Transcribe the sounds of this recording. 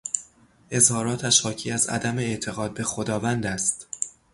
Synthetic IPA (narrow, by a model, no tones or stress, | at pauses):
ʔe̞zhɒːɾɒːt̪ʰæʃhɒːcʰiːæzæ̰d̪æme̞ːʔt̪ʰe̞ɣɒːd̪̚be̞xod̪ɒːvænd̪æst̪